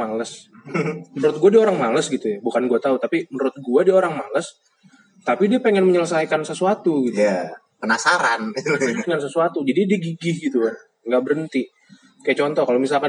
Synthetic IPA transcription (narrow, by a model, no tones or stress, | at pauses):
aləs | məɾʊt̪̚ɡuadioɾaŋmaləsɡit̪ujabukanɡuat̪aut̪apiməɾʊt̪̚ɡuadiaoɾaŋmaləs | t̪apidiapeŋɛnməɲələsajkansəsuat̪uɡit̪a | pənasaɾandəŋans̬əsuat̪ud͡ʒadidiɡiɡɪhɡit̪u | ŋɡaʔbəɾənt̪i | kajat͡ʃɔnt̪ɔkalomis̬alka